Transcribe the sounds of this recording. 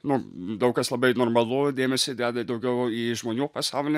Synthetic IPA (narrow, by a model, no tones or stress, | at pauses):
nʊd̪ɐʊkɐslˠɐbɐɪnoːrmɐlˠʊd̪ʲeːmʲɛsʲɪd̪ʲæːd̪ɐd̪ɐʊɡʲɛʊiːʒmoːnʲuːpɐsɑʊlʲɪ